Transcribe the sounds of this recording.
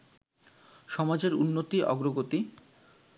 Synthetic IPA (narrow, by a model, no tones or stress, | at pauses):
ʃɔmad͡ʑeɾunːot̪iʔɔ̰ɡɾoɡot̪i